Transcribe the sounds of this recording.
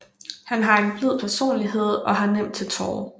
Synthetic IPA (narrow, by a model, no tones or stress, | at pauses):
hænɦɑ̈e̝ɡb̥liðˠpʰæɐso̝̰ːnliɦe̝ð̞̰ˠɒ̽ɦɑ̈nem̰d̥̚t͡sʰe̝t͡sʰɒːʊ